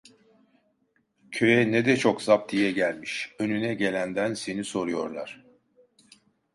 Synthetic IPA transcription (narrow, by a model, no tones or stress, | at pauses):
cʰø̞jɛnɛd̪ɛt͡ʃʰo̞kz̥ap̚t̪ʰijɛɟælʲmiʃønynɛɟe̞lʲænd̪ænse̞niso̞ɾujo̞ɾlˠa̰ɾ̝̥